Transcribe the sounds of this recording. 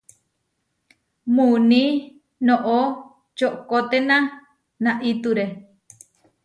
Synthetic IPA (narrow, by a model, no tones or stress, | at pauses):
mũnĩ | nõʔo | t͡ʃoʔkot̪enã | nãʔit̪uɾe